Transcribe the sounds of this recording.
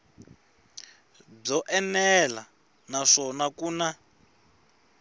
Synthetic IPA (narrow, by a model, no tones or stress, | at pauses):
b͡ʐɔʔɛnɛla | naʂɔnakuːna